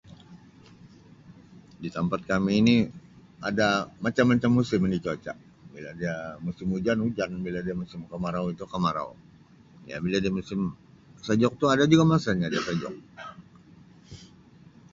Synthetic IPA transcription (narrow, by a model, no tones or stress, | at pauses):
dit̪ampat̪̚kamiːni | adamat͡ʃamːat͡ʃamːusɪminit͡ʃot͡ʃa̰ʔ | biladiamusɪmud͡ʒanud͡ʒanbiladiamusɪmkamaɾawit̪ukamaɾa̰w | ja̰biladiamusɪm | səd͡ʒɔk̚t̪uadad͡ʒuɡamasaɲadiasəd͡ʒɔ̰k̚